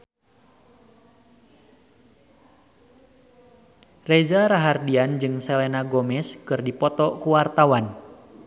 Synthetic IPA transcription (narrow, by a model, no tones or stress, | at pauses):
rɛzaɾaɦardiand͡ʒɨŋsɛlɛnaɡɔmɛskɨrdipɔt̪ɔkuwart̪awan